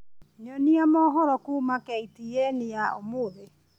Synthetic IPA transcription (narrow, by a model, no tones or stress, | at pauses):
ɲɔniamɔɦɔɾɔkumakɛitijɛnɪjaomoðe